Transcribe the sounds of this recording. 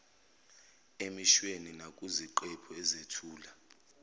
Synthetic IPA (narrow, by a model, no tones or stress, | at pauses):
emiʃweninakʼuziǃɛpʰɔɛzetʰuːla